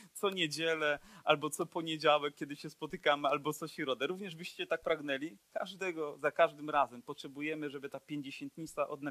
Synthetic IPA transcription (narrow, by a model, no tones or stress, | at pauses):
t̪sɔɲed͡ʑɛlɛʔalbɔt̪sɔpɔɲed͡ʑawɛk̚ːʲjɛd̪ɘɕɛspɔt̪ɘkamɘalbɔt̪sɔɕiɾɔd̪ɛɾuvɲɛʐbɘɕt͡ɕɛt̪ak̚pɾaɡnɛlʲika̰ʐd̪ɛɡɔzakaʐd̪ɘmɾazɛmpɔtʂɛbujɛmɘʐɛbɘt̪apʲjeɲd͡ʑeɕɛ̃nt̪ɲit̪saʔɔd̪na